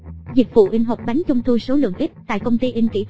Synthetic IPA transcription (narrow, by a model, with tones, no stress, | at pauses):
zi˨˩k̚vṵ˧˨ʔi˧ŋ̟ɦa˨˩k͡p̚ɓa˨˦jŋ̟t͡ɕɔ˧wŋ͡mt̪ʰu˧so˨˦lɨ̰˧˨əŋʔ̪i˦˥p̚t̪a̰ː˧˨jkə˧wŋ͡mt̪i˧ʔi˧ŋ̟kḭ˧˩